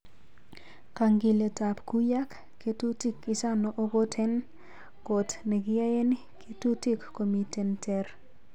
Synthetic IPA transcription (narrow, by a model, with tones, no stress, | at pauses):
ka˨ŋɡi˨le˨ta˨pku˦ja˦kːe˦tu˦ti˦kɪ˨sa˦no˨ʔo˦ɡo˦tʰɛ˦n | ɡɔ˨tne˨ɡɪ˦ja˦je˦ni˦kʰe˦tu˦ti˦kːo˨mi˨te˨ntɛ˦r